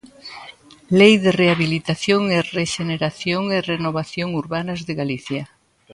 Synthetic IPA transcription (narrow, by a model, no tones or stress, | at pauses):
lejðereaβilit̪aθjoŋereʃeneɾaθjoŋerenoβaθjoŋuɾβanɐzðeɣaliθja